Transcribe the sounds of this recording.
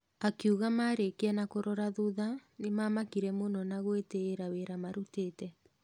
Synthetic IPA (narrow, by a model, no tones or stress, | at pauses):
akiuɣamaɾekeanakoɾɔɾaðuðanemaːmakiɾɛmonɔnaɣweteːɾaweɾamaɾuteːtɛ